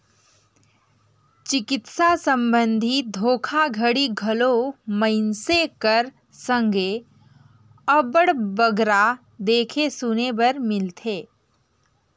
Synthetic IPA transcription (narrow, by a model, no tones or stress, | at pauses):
t͡ʃɪkɪt̪sasə̃mbə̃nd̪ʱid̪ʱoːkʰaɡʱəɽiɡʱɐloməɪnsekəɾ | sə̃ŋɡʱe | əbəɽbəɡɾa | d̪eːkʰesʊnebɐɾmɪlt̪ʰeː